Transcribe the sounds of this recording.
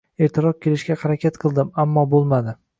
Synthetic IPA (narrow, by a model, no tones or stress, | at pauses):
eɾt̪ʰɪɾɒk̪̚kʲe̞lɪʃɡʲahaɾakʲet̪qʰɨlˠd̪ɪmamːɒbolˠmad̪ɪ